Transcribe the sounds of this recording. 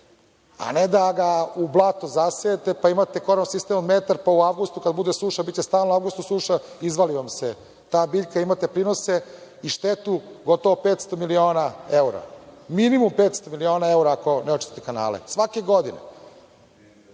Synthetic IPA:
a̰ned̪aɡaublˠat̪ozaseet̪e̞paimat̪ekoɾamsist̪emonmet̪aɾpauaʋɡust̪ukad̪bud̪esuʃabit̪t͡ɕest̪aːlnouaʋɡust̪usuːʃaizʋaliʋamse | t̪aːbiʎʲkaimat̪epɾiːnoseiʃt̪et̪uɡot̪oʋopeːt̪st̪o̞milio̞ːnaeuɾa̰minimumpeːt̪st̪omilio̞ːnae̞uɾaːko̞neot͡ʃi̥t̪i̥t̪ekana̰ːlḛsʋakeɡod̪ine

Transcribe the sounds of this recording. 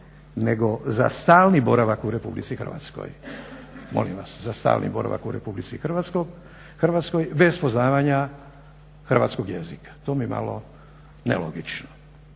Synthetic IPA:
neɡo̞za̰st̪aːlˠnibo̞ɾaʋakuɾe̞publit̪sixər̩ʋa̰t̪sko̰j | mo̰limʋaszast̪a̰ːlnʔḭboɾa̰ʋa̰kuɾe̞publit̪sixr̩ʋat̪skoɡ | xr̩ʋat̪skojbe̞spoznaːʋaɲa | xrʋa̰t̪skoɡjezikḁt̪oːmijma̰lo̰ | nḛlo̰ɡit͡ʃno

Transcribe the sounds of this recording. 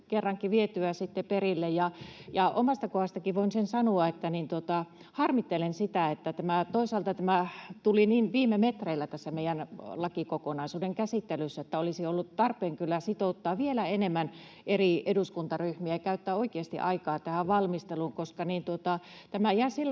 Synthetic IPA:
kerːɑŋkiʋiet̪yæsit̪ːeperilːejjɑjɑʔomɑst̪ɑkohɑst̪ɑkiʋoinsensɑnuɑet̪ːænint̪uot̪ɑ | hɑrmit̪ːelensit̪æet̪ːæt̪æmæt̪oisɑːlt̪ɑt̪æmæt̪uliniːnʋiːmemet̪reilːæt̪æsːæmeijænlɑkikokonɑisuːdeŋkæsit̪ːelysːæet̪ːæolisiolːut̪t̪ɑrpˑeːŋkylːæsit̪oˑut̪ːɑːʋielæenemːæn | ʔerieduskunt̪ɑryhmiæɑkæyt̪ːæːoikeɑst̪ḭʔɑikɑːt̪æhæʋʋɑlmist̪eluŋkoskɑniːnt̪uot̪ɑ | t̪æmæihɑsilː

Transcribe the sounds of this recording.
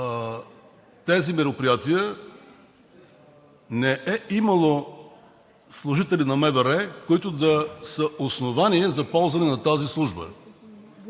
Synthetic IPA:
t̪ɛzimɛɾopɾijat̪iə | nɛʔɛimɐlˠo | slˠʊʒit̪ɛlinɐmɛvɛɾɛkoit̪ʊd̪ɐsəʔosnovaniɛzɐpɔlˠzvɐnɛnɐt̪azislˠuʒbə̰

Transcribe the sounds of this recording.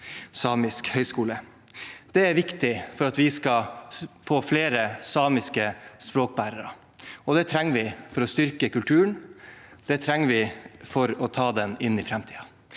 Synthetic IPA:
sɑːmɪskhœʏskuːlə | d̪̥ɛæɾʋɪkt̪ɪfɔɾɑt̪ʋɪskɑfoːfleːɾəsɑːmɪskəspɾoːk̚bæːɾəɾə̰ | ɔd̪ɛt̪ʰɾɛŋːʋɪfɔɾɔst̪ʏɾkəkʉlt̪ʰʉːəɳ | d̪̥ɛt̪ʰɾɛŋːəʋɪfɔɾɔt̪ʰɑːd̪ɛnɪnːɪfɾɛmt̪ʰiːɑ

